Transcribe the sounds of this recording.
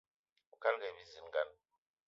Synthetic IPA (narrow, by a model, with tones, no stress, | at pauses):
u˨ka˦lɡa˨bi˦zi˨˦n˨ɡa˦n